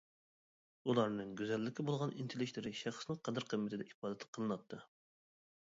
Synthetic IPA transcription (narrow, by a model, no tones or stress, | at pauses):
ulˠɑɾnɨŋɡʲyzɛlːɪkʲːibolˠʁɑnint̪ʰelɪkʲlɪɾɪʃæχsnɪŋqʰɑd̪ɨɾqʰəmːɪt̪ʰɪd̪ɛʔibɑːd̪ɛt̪ʰqʰəlˠɨnɑt̪ʰːɨ